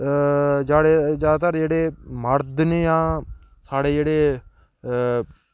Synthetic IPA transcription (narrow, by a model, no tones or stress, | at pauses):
d͡ʒaːɽeːd͡ʒjaːd̪aːt̪aɾd͡ʒeːɽeːməɾd̪nejãː | saːɽeːd͡ʒeːɽeː